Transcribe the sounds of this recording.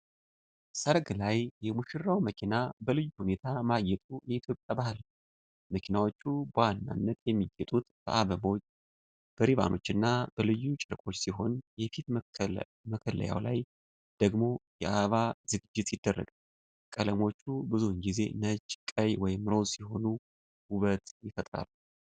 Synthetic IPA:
səɾɡlajjɛmuʃɪrːawməkʰinabəlɨjːuhune̞t̪ʰamajɛt̪ʼujɛit̪ʰjo̞pʼjabahɨl | məkʰinawo̞t͡ʃːubəwanːa̰nːət̪jɛmːiɡɛt̪ʼut̪b̥ə̰ʔaβəbo̞t͡ʃː | b̥əɾiβa̰nʔo̞̰t͡ʃːɨnːab̥əlɨjːut͡ʃʼɨɾkʼo̞t͡ʃːsiɦo̞njɛfit̪ | məkʰələ̰ja̰wla̰j | d̪̥əɡmo̞jɛʔaβaz̥ɨɡɨd͡ʒːɪt̪jɪd̪ːərːə̰ɡal | kʼələmo̞t͡ʃːubɨzuɨŋɡize̞̰nət͡ʃʼːkʼəjwɔjɪmɾo̞siho̞nu | huβət̪jɪfət̪ʼɾa̰lːu

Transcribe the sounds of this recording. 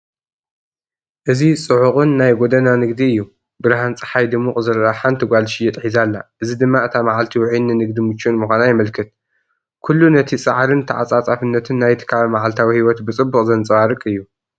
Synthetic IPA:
ʔɨzisʼɨʕuχʼɨnːajɡod̪ɐnanɨɡd̪iɨjːu | bɨɾɦant͡sʼɨ̥ħajd̪ɨmːukʼzɨɾaħant̪ʰɨɡʷalʃijɛt̪ʼħizalːa̰ʔɨzid̪ɨmːaɨt̪ʰamaʕalt̪ʰiwʕinɨnɨɡd̪imɨt͡ʃːunmɨxʷanajmɐlkʰɨt̪̚ | kʰulːunɐt̪ʰisʼaʕaɾɨnt̪ʰɐʕa̰t͡sʼat͡sʼafɨnːɐt̪ʰɨnːajt̪ʰɨ̥kʰaβɐmaʕalt̪ʰawihiwɔt̪bɨt͡sʼɨbːuχʼzɐnt͡sʼwaɾɨkʼɨjːu

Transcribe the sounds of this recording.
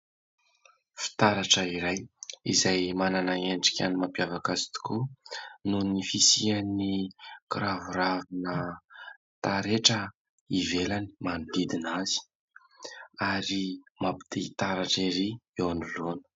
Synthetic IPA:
fi̥t̪aɾaʈ͡ʂəiɾajizajmananaeɳɖ͡ʐi̥kʲanimampjavakazi̥t̪u̥kununifisianikɾavuɾavinə | t̪aɾeʈ͡ʂə | ivelani̥manid̪id̪inazi̥ | aɾimapi̥d̪eit̪aɾaʈ͡ʂiɾiewanulonə̥

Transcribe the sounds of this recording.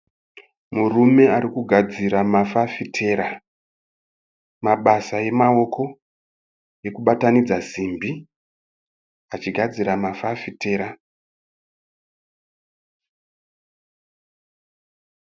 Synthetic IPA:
murume̞aɾikuɡʱad͡ziɾamafafitʰe̞ɾa | maɓasaje̞mao̞kʰo̞ | je̞kuɓatanid͡zazimbi | at͡ʃiɡʱad͡ziɾamafafite̞ːɾa

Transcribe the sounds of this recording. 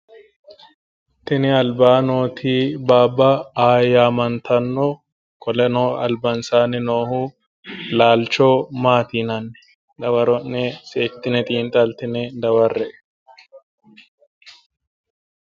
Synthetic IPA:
t̪ɪnɪɐlbaːnoːt̪ʰiːbaːbːaːjaːmɐnt̪ʰɐnːoː | kɔlɛnoːɐlbɐnsaːnɪnoːhuː | laːlt͡ʃoːmaːt̪iːnɐnːɛ̥ | d̪ɐwɐɾɔʔneseːt̪ːɪnɛt̪ʼiːnt̪ʼɐlt̪ɪnɛd̪ɐwɐrːɛʔ

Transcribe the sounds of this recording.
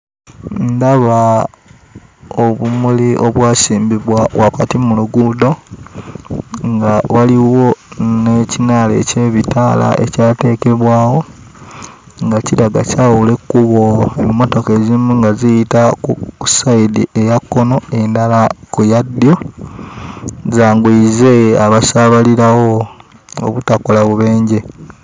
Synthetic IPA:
ndaβa | oβumuliʔoβwaːsiːmbiβwawakatimuluɡudo̞ | ŋɡawaliwo̞necinaːle̞̰ce̞ːβitala̰ʔe̞̰caːte̞ke̞βwaːwo̞ | ŋɡaciɾaɡacawule̞kːuβo̞emːo̞to̞ke̞zimuŋɡazijitakuusaidḭʔejakːo̞no̞e̞ndalakujadːjo̞ | zaːŋɡwiize̞aβasaβaliɾawo̞ | o̰βutakolaβuβe̞ːɲɟe̞

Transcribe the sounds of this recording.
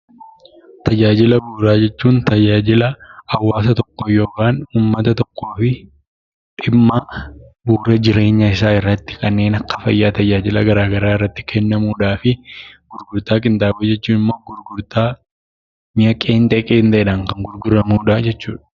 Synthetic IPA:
t̪ɐd͡ʒaːd͡ʒɪlɐbuːɾaːd͡ʒɛt͡ʃːuːnt̪ɐd͡ʒaːd͡ʒɪlɐɐwːaːsɐt̪ɔkːɔjo̞ːkaːnuːmːɐt̪ɐt̪ɔkːo̞ːfɪ | ᶑɪmːɐ | buːɾɛd͡ʒɪɾe̞ːɲːɐɪsaːɪrːɐt̪ːɪ̥kɐnːe̞ːnɐkːɐ̥fɐ̰jːaːt̪ɐd͡ʒaːd͡ʒɪlɐɡɐɾaːɡɐɾaːɪrːɐt̪ːɪ̥kʰɛnːɐmuːᶑaːfɪɡ̥ʊɾɡʊɾt̪aːkʼɪnt̪ʼaːbɐd͡ʒɛt͡ʃːuːnɪmːoːɡʊɾɡʊɾt̪aː | ɲɐkʼeːnt̪ʼɛkʼeːnt̪ɐɛᶑaŋkɐŋɡʊɾɡʊɾɐmuːᶑɐd͡ʒɛt͡ʃːṵːᶑɐ̥

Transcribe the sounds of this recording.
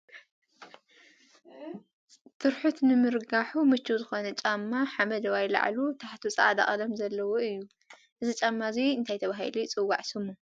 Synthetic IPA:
t̪ʰɨɾħut̪nɨmɨɾɡaħumɨt͡ʃːuzɨxo̞nɐt͡ʃʼamːaħamɐd̪ɐwajla̰ʕlut̪ʰaħt̪ʰut͡sʼaʔad̪a̰χʼɐlɐmzɐlːɐwoɨjːu | ʔɨzit͡ʃʼamːaziɨnt̪ʰajt̪ʰɐβaɦḭlit͡sʼɨwːaʕsɨmːu

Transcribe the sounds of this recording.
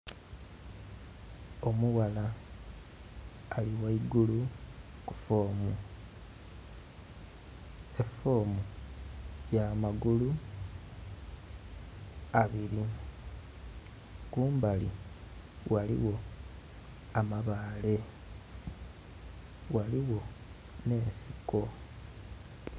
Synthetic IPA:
o̞muɣala | liwaiɡulukufo̞ːmu | e̞fo̞ːmu | jamaɡulu | aβiɾi | kuːmbalḭ | wʔalḭwo̞ | amaβaːle̞ | waliwo̞ | ne̞ːnsiko̞

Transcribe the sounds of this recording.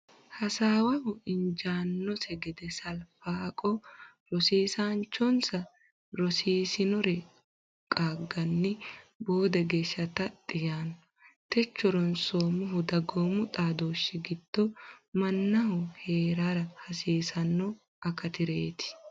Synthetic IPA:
hɐsaːwɐhʊɪnd͡ʒaːnːɔsɛɡɛd̪ɛsɐlfaːkʼɔ | ɾɔsiːsaːnt͡ʃːɔnsɐ | ɾɔsiːsɪnɔɾɛ | kʼaːɡːɐnːɪbo̞ːd̪ɐɡe̞ːʃːɐt̪ɐt̪ʼːɪjaːnːɔ̥t̪ɛt͡ʃːɔɾɔnsoːmʊɦʊd̪ɐɡoːmʊt̪ʼaːd̪o̞ːʃːɪɡɪd̪̥ːɔmɐnːɐhʊheːɾaɾɐhɐsiːsɐnːɔ | ɐkɐt̪ɪɾeːt̪ɪ̥

